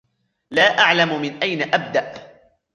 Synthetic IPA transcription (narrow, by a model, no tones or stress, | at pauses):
laːʔaʕlamʊmɪnʔajnaʔab̚d̪aʔ